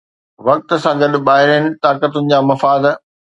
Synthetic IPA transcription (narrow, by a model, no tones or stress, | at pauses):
ʋɐk̚t̪̆sãɡɐɗ̆ɓaːɦɪɾənɪ̆t̪aːkət̪ʊnɪ̆d͡ʑaːmɐfaːd̪